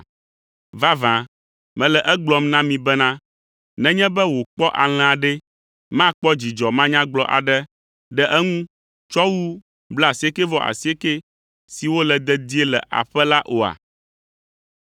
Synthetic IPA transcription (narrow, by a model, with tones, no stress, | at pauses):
va˦vã˨ | mɛ̃˨lɛ˨ʔɛ˦ɡ͡blɔ˦mnã˦mĩ˨bɛ˦nã˦ | nɛ̃˦ɲɛ̃˦bɛ˦wo˨k͡pɔ˦ʔa˨l̃ɛ̃˨a˨ɖɛ˦ | mã˦k͡pɔ˦d͡ʑi˨d͡ʒɔ˨mã˦ɲã˦ɡ͡blɔ˦ʔa̰˨ɖɛ˦ | ɖɛ˦ʔɛ˦ŋũ˦ | t͡ʃɔ˦wu˦ | bla˦a˨si˨˦e˦kɛ˦vɔ˦ʔa̰˨si˦e˦ke˦ | si˨wo˦lɛ˨d̪ɛ˦d̪i˦e˦lɛ˨ʔa̰˨ɸɛ˦la˦ʔo˨a̰˨